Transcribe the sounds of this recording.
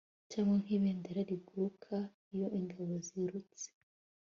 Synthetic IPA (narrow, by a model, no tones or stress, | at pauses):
caŋaŋ̥iβeːndeɾaɾiɡuɾukʰa | ijoʔiŋɡaβoziɾut͡se̥